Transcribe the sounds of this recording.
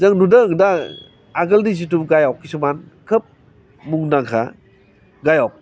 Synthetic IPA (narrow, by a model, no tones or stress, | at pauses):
zaŋnudaŋda | aɡɐldizit̬uɡajawkːisumankʰəp̚ | muŋnaŋkʰa̰ | ɡajawk̚